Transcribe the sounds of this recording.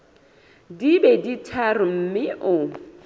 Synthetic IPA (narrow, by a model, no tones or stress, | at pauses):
dibɛditʰarʊm̩mɪʔʊ